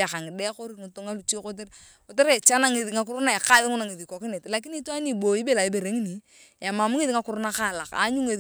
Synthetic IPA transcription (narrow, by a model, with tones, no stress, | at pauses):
a˨ka˨ŋɪ˨dɛ˦ko˦ɾi˦ŋɪ˨to˦ŋa˦lu˨t͡ʃe˦ko˦t̬e˦ɾ | ko˨te˦ɾe˨t͡ʃa˦na˦ŋe˨ði˨ŋa˨kʊ˦ɾu˦na˦e˨ka˦ðɪ˦ŋʊ˦na˨ŋe˨ði˨kɔ˨kɪ˦ne˨tla˨k̬i˦ni˦twa˦ni˦˨bo˨i˦be˦˨la˨i˦be˨ɾe˨˦ŋi˦ni˨ | a˨ma˨mu˦ŋe˦ði˦ŋa˦kʊ˨ɾʊ˦na˦ka˦˨la˨ka̰˨˦ɲu˦ŋe˨